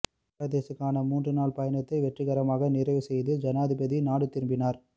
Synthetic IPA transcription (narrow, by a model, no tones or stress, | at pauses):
ɾɐðeːsɐkːaːnɐmuːndrɯnaːɭpɐjɐnɐt̪ːɐɪʋɛʈrɯɣɐɾɐmaːɣɐnɪrɐɪʋɯsɛjðɯd͡ʒɐnaːðɪbɐðinaːɽɯt̪ːɪɾɯmbɪnaːɾ